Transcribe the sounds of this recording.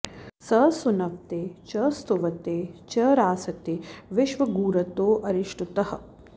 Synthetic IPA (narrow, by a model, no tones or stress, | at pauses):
sɐːsunɐʋt̪eːt͡ʃɐːst̪uʋɐt̪eːt͡ʃɐːɾaːsɐt̪eʋɪʃʋɐɡuːɾɐt̪oːʔɐɾiʃʈut̪ɐɦhɐ̆